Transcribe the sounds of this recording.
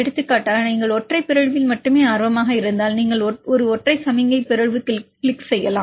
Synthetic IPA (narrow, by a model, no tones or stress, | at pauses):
ɛɽɯt̪ːɯkːaːʈːaːniːŋɡɐɭɔʈrɐɪpːɪɾɐɻʋɪlmɐʈːɯmeːaːɾʋɐmaːɣɐɪɾɯnd̪aːlniːŋɡɐɭɔɾɯɔʈrɐɪsɐmɪŋɡɐɪpɪɾɐɻʋɯkːklɪksɛjːɐlaː